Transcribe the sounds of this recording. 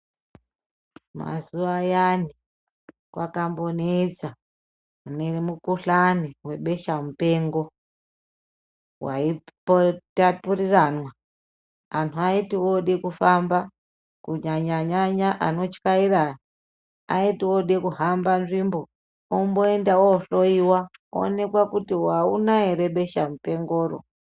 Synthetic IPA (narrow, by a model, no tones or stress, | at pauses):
ma̰zuʋajani | kwakambo̞ned͡za | uneremukuɬaniwe̞ɓe̞ʃamupe̞ŋɡo̞ | wʔa̰ipotapuriranwa | antʰuaitiwo̞ɗekufamba | kuɲaɲaɲaɲaʔano̞t͡ʃi̥kairaa | aitiwoɗekuɦambanʐimbo | omboendaoɬo̞iwao̰ne̞kwakutiwaunaeɾe̞ɓe̞ʃamupe̞ŋɡoːɾo̰